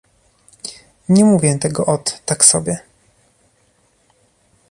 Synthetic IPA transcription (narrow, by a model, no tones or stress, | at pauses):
ɲɛmuvʲjɛt̪ɛɡɔʔɔt̪ːaksɔbʲjɛ